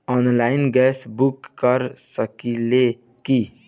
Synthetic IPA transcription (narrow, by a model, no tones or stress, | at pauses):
ɔnlaɪnɡɛsbukːəɾsəkile | ki